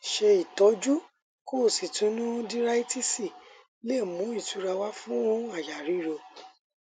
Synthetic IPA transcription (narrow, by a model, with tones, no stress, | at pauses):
ʃe˧i˨tɔ˨˦d͡ʒu˦ | ko˦˨si˨tũ˨˦nũ˦di˦ɾa˦i˦ti˦si˦˨ | le˦˨mũ˨˦i˦˨tu˨˧˦ɾa˧wa˦fũ˦õ˦a˨ja˨ɾi˨˦ɾo˧